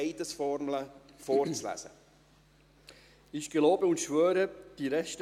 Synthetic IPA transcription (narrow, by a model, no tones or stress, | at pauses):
ɪdəsfɔɾmlə | fɔːɾt͡slæ̰zə̰ | ɪʃɡ̥eloːbəʊntʃʋœːɾəd̥iɾɛʃtə